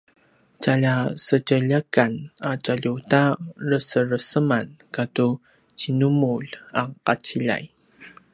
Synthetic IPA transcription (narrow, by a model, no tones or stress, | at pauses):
t͡ɕaʎasəcəʎəkanat͡ɕaʎutarəsəɾəsəmankatu | t͡ɕinumuʎaqat͡ɕiʎa̰j